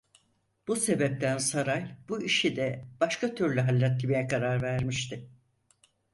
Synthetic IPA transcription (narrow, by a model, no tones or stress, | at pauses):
b̥use̞bɛp̚t̪ʰænsaɾajb̥uiʃid̪ɛb̥aʃkʰat̪ʰyɾlʲyɦalʲːat̪ʰːimij̪ɛkʰaɾaɾvæɾmiʃt̪ʰɪ